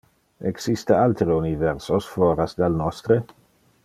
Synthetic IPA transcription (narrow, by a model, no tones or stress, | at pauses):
eksist̪ealt̪ɾeunivɛɾsosfoːɾasd̪alnɔst̪ɾe